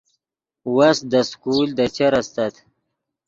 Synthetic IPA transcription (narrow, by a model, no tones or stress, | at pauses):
wasd̪əskuld̪ət͡ɕaɾast̪at̪